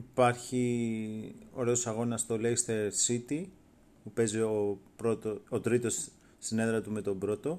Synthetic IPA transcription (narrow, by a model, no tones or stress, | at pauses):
ipɐɾçi | o̞̰ɾe̞o̞sɐɣo̞nɐst̪olest̪eɾsit̪i | pupe̞ziopɾot̪oot̪ɾit̪o̞sː | ine̞ðɾɐt̪ume̞t̪o̞bɾo̞t̪o̞